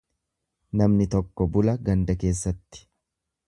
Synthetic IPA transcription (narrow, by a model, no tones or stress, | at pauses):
nɐmnɪt̪ɔkːɔbʊlɐɡɐnd̪ɐke̞ːsːɐt̪ːɪ̥